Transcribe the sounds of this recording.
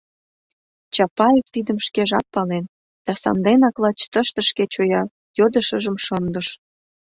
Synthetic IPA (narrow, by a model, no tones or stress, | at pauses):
t͡ɕɑpɑjeft̪id̪əmʃkeʒɑp̚pɑlen | d̪̥ɑsɑ̰nd̪enɑklɑt͡ɕt̪əʃt̪ə̆ʃket͡ɕojɑ | jod̪ə̆ʃəʒə̆mʃɤnd̪ə̆ʃ